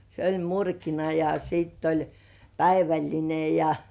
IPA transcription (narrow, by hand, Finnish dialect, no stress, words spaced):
se olʲ murkinɑ jɑ siˑtː olʲ pæiʋælʲline jɑ